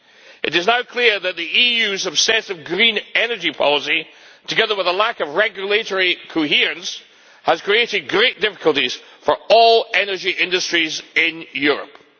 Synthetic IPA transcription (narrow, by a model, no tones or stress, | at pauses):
ʔɨ̰ɾɪznaʊkʰl̥ˠiɹðəʔ̪̚ðiijʉzəb̥sɛsɪvɡɹĩnɛnə˞d͡ʒipʰɔ̰lˠəsi | tʰəɡɛðə˞wɪðəlˠakəvɹɛɡjəlˠeʔə˞ikʰoɦiɹə̃ns | həz̥kʰɹ̥ieʔɪd̚ɡɹeʔd̥ɪfɪ̥kʰəlˠtiz̥ | fə˞ɔlˠɛnə˞d͡ʒiʔɪ̃ndəstɹ̥izɪ̃njʉɹə̰p̚